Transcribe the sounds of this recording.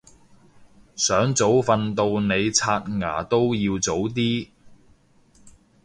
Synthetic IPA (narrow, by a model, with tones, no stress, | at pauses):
sœː˨˥ŋt͡so˨˥wfɐ˧nt̪o˧wne˨˧jt͡sʰaː˧t̚ŋa̰ː˨˩t̪o˥wjiː˧wt͡so˨˥wt̪̬iː˥